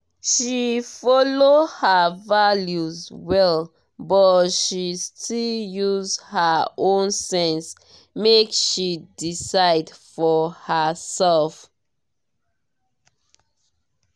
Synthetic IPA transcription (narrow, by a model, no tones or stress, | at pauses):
ʃifɔlohəvaljuzwɛl | bɔtʃistʰiljuzhəõnsɛ̃ns | mekʃidisaɪdfɔhəsɛlf